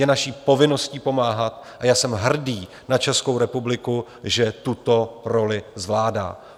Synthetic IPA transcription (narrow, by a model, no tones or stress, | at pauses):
jɛnaʃiːpo̞vɪno̞sciːpo̞maːɦat̪ʔajaːsɛmɦr̩diː | nat͡ʃɛsko̞wɾɛpublɪku | ʒɛt̪ut̪oɾo̞lɪzvlaːda̰ː